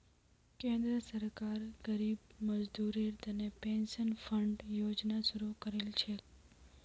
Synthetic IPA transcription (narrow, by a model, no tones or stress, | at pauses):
kẽnd̪ɾəsəɾkaɾɡ̥əɾibməd͡ʒd̪uɾiɾt̪ənepẽnʃənfəɳɖjod͡ʒnaʃuɾukəɾelt͡ʃʰe